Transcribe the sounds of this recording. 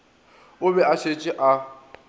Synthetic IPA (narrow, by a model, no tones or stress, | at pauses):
ʊbɛat͡ʃʰet͡ʃʼɪʔa